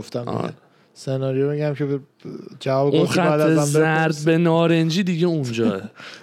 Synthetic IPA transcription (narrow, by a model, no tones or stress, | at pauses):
oft̪æm̰ḛ | senɒːɾijomiɟæmcʰeb | d͡ʒævɒːbeuonχætæd̪ːeæzæɾd̪̚benɒːɾend͡ʒiːd̪iɟeund͡ʒɒːe